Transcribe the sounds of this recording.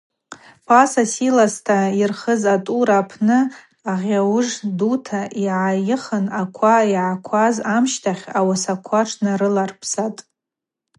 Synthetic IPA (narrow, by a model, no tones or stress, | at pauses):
pʰʼasasilastʰairχəzatʼuɾapʰnɨ | aʁʲawʐdutʰaʔiʕajɪχənakʷʰaiʕakʷʰazamʃtʰaχʲawasakʷʰaʈ͡ʂʰnaɾɨlarpʰsatʼ